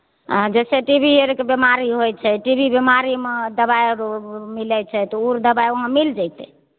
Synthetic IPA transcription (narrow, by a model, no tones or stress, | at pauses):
d͡ʒɛseʈibʱieɾkebjemaɾiɦoj̚t͡ʃʰɛʈibʱibemaɾimed̪əbajɾomilɛt͡ʃʰɛt̪ɔuɾd̪əbaioɦamild͡ʒajt̪ɛ̰